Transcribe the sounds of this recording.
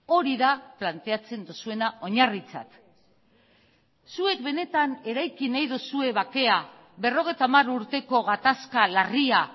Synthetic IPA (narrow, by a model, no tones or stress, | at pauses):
o̞ɾiðaplant̪e̞at͡se̞nd̪usue̞nao̞ɲarit͡sa̰t̪ | sue̞k̚be̞ne̞t̪ane̞ɾajkinajðusue̞βake̞a | βe̞ro̞ɣ̞e̞jt̪aːmaɾuɾt̪e̞ko̞ɣat̪askalaria